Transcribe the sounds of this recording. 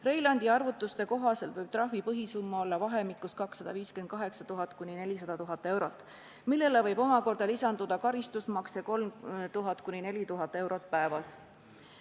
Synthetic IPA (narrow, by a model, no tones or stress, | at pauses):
re̞jlɑnʲd̪iɑrvut̪ːˑust̪e̞ko̞ɦɑse̞lt̪vɤjb̥̚t̪ɾɑhvipɤɦisumːɑo̞lːɑvɑɦe̞mikˑːuskɑksːɑd̪̥ɑviːske̞nd̪̥kɑɦe̞ksɑt̪uɦɑt̪ːˑkunʲine̞lʲisɑd̪̥ɑt̪uɦɑt̪ːˑe̞wɾo̞t̪ːˑ | milːe̞levɤjb̥o̞mɑko̞rd̪̥ɑlisɑnd̪ud̪̥ɑkɑɾist̪usmɑkse̞ko̞lmt̪uɦɑt̪ːˑkunʲine̞lʲit̪uɦɑt̪ːˑe̞wɾo̞t̪̚pæevɑs